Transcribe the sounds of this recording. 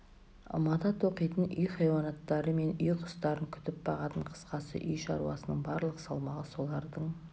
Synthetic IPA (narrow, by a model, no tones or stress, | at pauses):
mɑt̪ɑt̪o̞qijt̪ənʔʏjχɑjwɑnɑt̪ːɑɾəme̞nʏjqʰʊ̥st̪ɑɾəŋkʲʰʏ̥t̪ɪp̚bɑʁɑt̪əɴqʰə̥sqɑsə̰ʔʏjʃɑ̰ɾṵɑ̰sənəɴbɑɾlˠəqsɑlˠmɑʁəso̞lˠɑɾd̪əɴ